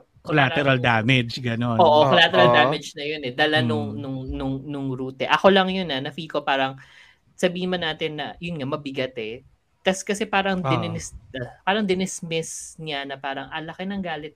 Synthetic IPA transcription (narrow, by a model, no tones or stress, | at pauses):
kolaːt̪ɛɾɐld̪aːmɛd͡ʒɡɐnonoːʔokolaːt̪ɛɾɐlaːmɛd͡ʒnɐjonɛd̪ɐlanʊŋnʊŋnʊŋnʊŋɾuːt̪ɛʔɐko̞lɐŋjonɐnɐfiːkopaːɾɐŋ | sɐbiːhɪnmɐnaːt̪ɪnːɐjʊnŋamɐbɪɡɐt̪ɛ | t̪ɐskɐsɛpaːɾɐŋd̪ɪnɪnɛspaːɾɐŋd̪ɪnɛsmɪsnɪɐnɐpaːɾɐŋʔɐlɐkenɐŋɡaːlɪt̪̚